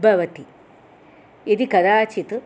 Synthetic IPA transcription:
bʱɐʋɐt̪i | ed̪ikɐd̪aːt͡ʃit̪ɨ

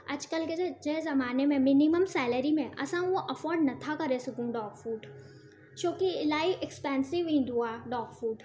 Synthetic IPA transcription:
ɐ̰d͡ʒkəlked͡ʒezɐmaːnemẽminiməmsɛːləɾimẽʔɐ̰sãoʔɐfɔːɾɖnɐt̪ʰakɐɾesɐkũɖɔːɡfuːɖ | t͡ʃoːkilaːiʋɛkspɛ̃ːnsɪʋĩːnd̪ʱuaɖɔːɡfuːɖ

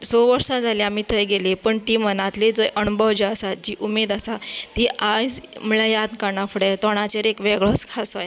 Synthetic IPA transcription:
soʋəɾsad͡zʱaleamiːt̪ʰəjɡelepəɳʈiːmənat̪led͡zəjʔənubʱəʋd͡ʑəəsat̪̚d͡ʑiːʔumed̪asat̪iad͡zməɭajad̪kəɾɳafəɽet̪ɔɽ̃at͡ɕeɾekʋeɡɭɔskʰasəj

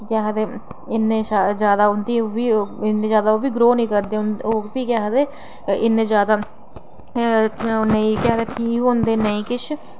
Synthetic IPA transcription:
kaːɦd̪e | ɪnːeʃad͡ʒjaːd̪aːʊnt̪ibiɪnːẽzjaːd̪aːoːbʱiːɡɾoːnĩːkəɾd̪eʊnobiːkaːɦd̪eː | ɪnːẽːd͡ʒjaːd̪aː | nəĩkaːt̪epʰiːɦoːnd̪eːnəĩːkɪt͡ʃʰ

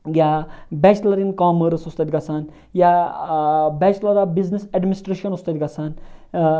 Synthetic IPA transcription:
jabɛːt͡ʃlɐɾinkaːməɾsust̪ɐt̪ʲɡɐsan | ja | bɛːt͡ʃlɐɾabizniseɖmʲinisʈɾeʃɐnust̪ɐt̪ʲɡɐsan

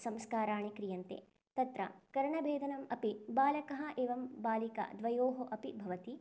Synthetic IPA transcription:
sɐmskaːɾaːɳikɾijɐnt̪ḛː | t̪ɐt̪ɾɐ̰kɐɾɐɳɐbʱeːd̪ʱɐnɐmɐpibaːlɐkɐɦɐʔeːʋɐmbaːlikɐ̰d̪ʋɐjoːɦoʔɐpibʱɐʋɐt̪i

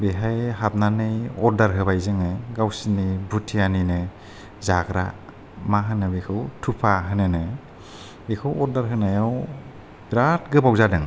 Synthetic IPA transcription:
beɦajɦat̚nanɯjɔɾdaɾɦɯbajzɯŋɯɡawsinibʱutʰijaninɯ | zaɡɾa̰ | maɦɯnɯbekʰɯwtʰupʰaɦɯnɯnɯ | bekʰɯwɔɾdaɾɦɯnajaw | bɾat̚ɡɯbawzadɯŋ

